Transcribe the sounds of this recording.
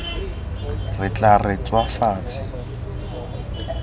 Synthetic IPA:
rɪt͡ɬʼaret͡sʼwafaːt͡sʼɪ

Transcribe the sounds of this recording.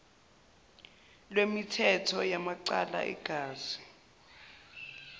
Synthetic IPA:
lwemitʰɛtʰɔjamaǀala̰ʔɛ̰ɡ̥ʱaːz̥i̥

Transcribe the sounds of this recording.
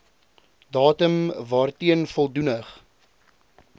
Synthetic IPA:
dɑːtəmvɑːrtiənfɔlˠdunəχ

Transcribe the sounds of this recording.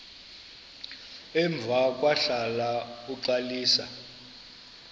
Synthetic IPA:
ɛɱb̪vʱak̬ʼwaɬalauǀaliːsa̰

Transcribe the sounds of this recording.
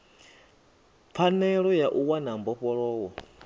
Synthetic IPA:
p̪fʰanɛɺɔjaʔuwanambɔɸɔɺɔːwɔ

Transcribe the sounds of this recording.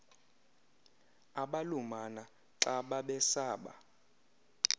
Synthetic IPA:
aɓalumana | ǀaɓaɓɛsaːɓa̰

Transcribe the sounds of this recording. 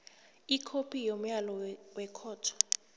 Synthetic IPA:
ikʰopʰijom̩jalɔwɛkʰɔːtʰɔ̥

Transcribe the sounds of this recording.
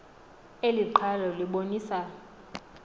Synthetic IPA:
eliǃʰalɔliɓoniːsa

